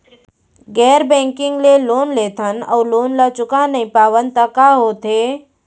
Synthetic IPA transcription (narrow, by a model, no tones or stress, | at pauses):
ɡɛːɾbẽːŋkɪ̃ŋɡleloːnleːt̪ʰənə̰ːloːnlat͡ʃʊkanəɦĩpaːʋənt̪akaɦoːt̪eː